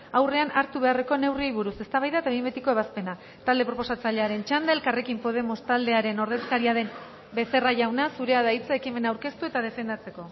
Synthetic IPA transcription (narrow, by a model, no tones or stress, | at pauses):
awre̞anaɾt̪uβe̞are̞ko̞ne̞wriejβ̞uɾuse̞st̪aβajðat̪aimbet̪iko̞e̞βaspe̞na | t̪ald̪e̞pɾo̞po̞sat͡saʎe̞aɾe̞nt͡ʃand̪eːlkare̞kimpo̞ð̞e̞mo̞st̪ald̪e̞aɾe̞no̞ɾðeskaɾiaðe̞n | be̞se̞raʝawnasuɾe̞aðait͡saekime̞nawɾke̞st̪ue̞t̪að̞e̞fe̞nd̪at͡se̞ko̞